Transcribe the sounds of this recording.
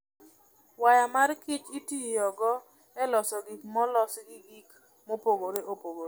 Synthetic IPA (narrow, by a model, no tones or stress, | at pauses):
wajamarkɪt͡ʃitijɔɡɔ | ɛlɔsɔɡɪmɔlɔsɡɪik | mopoɡoɾeʔopoɡoɾ